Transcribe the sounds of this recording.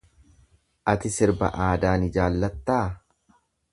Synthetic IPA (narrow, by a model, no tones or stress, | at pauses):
ʔɐt̪ɪsɪɾbɐ̰ʔaːd̪aːnɪd͡ʒaːlːɐt̪ːaː